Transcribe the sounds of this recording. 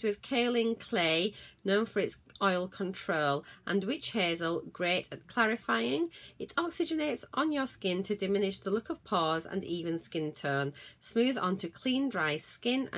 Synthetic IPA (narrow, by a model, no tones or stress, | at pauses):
dwɪð̥kʰɜʊlˠɪ̃ŋkʰl̥eɪnõʊ̃nfəɹɪtsɔɪlˠkʰə̃ntʰɹ̥oʊlˠʔə̰̃nwɪt͡ʃhezəlˠɡɹeɪtətkʰl̥æɹɪfaɪɪ̃ŋɪtɔksɪd͡ʒɨneɪtsʔn̩jəskɪ̃ntʰɨdɨmɪ̃nɪʃðəlʊkəv̥pʰɔːzə̰̃niːvə̃nskɪ̃ntʰɜːnsmʉːðə̰̃ntʰʉkʰl̥ĩndɹaɪskɪ̃nə̰̃